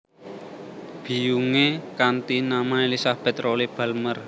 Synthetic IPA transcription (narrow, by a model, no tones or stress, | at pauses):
b̥i̤juŋekant̪inamaelisahb̥ɛt̪rolib̥a̤lmər